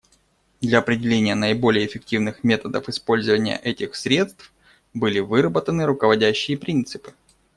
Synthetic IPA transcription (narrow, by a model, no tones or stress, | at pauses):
d̪lʲɐɐpɾʲɪdʲɪlʲenʲɪjənəɪbo̞lʲɪjəːfʲɪk̚tʲivnɨxmʲe̞t̪əd̪əfɨspo̞lʲzəvənʲɪjə̰ʔɛtʲɪxsɾʲet̪st̪f | bɨlʲɪvɨɾəbət̪ənɨɾʊkəvɐdʲæɕːɪjəpɾʲint̪sɨpɨ̥